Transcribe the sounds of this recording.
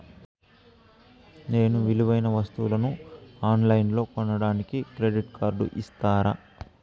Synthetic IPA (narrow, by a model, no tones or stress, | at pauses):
ne̞ːnuʋiliʋɐjnɐʋɐst̪ulɐnuaːnlɐjnlo̞ːkɔɳɐɽaːnikikɾeɖiʈkʰaːɾɖṵʔist̪aːɾa̰